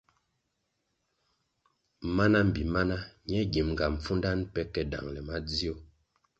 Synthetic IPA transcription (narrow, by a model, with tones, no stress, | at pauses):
ma˦na˦m̩˨bi˨ma˦na˦ɲɛ˦ɡi˨mŋɡa˨m̩˨fu˦nda˦npɛ˦kɛ˨da̰˨ŋlɛ˨ma˦d͡zi˦o˦˨